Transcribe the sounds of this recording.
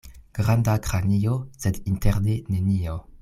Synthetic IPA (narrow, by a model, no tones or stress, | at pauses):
ɡ̥ʁandakɾaniosedinteʁnenenio